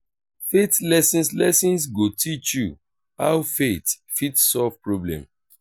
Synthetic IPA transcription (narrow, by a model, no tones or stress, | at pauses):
fetlɛsĩnslɛsĩns̬ɡotit͡ʃju | hawfet | fitsɔvpɹɔblɛ̰̃m